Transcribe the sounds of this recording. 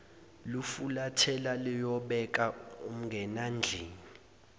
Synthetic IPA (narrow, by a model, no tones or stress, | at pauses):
lufulatʰɛlalijɔɓɛk̬ʼaum̩ŋɡʱɛnand͡ɮʱiːni